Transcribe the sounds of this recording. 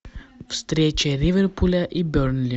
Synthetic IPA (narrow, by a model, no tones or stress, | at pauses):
fst̪ɾɛt͡ʃɛɾivɛɾpulʲaʔibøɾnlʲi